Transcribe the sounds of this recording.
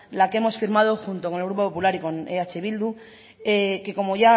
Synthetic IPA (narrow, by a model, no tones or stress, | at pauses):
lakee̞mo̞sfiɾmað̞oxunt̪oko̞nelɣɾup̬opo̞pulaɾiko̞neat͡ʃeβild̪u | eke̞ko̞mo̞ʝa